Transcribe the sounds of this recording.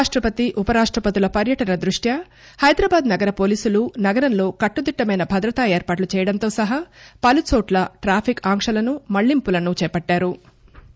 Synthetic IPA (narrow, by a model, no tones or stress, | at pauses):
ʂʈɾɐpɐt̪iʔupɐɾaːʂʈɾɐpɐt̪ilɐpɐɾjɐʈɐnɐd̪ɾuʂʈjɐ | hɐjd̪ɾaːbaːd̪nɐɡɐɾɐpo̞ːliːsulunɐɡɐɾɐnlo̞ːkɐʈːud̪iʈːɐmɐjnɐbʱɐd̪ɾɐt̪aːe̞ːɾpaːʈlut͡ʃɛːjɐɽɐnt̪o̞ːsɐɦɐpɐlut͡ʃoːʈlɐʈɾaːpʰikaːŋkʂɐlɐnumɐɭːimpulɐnut͡ʃɛːpɐʈːaːɾu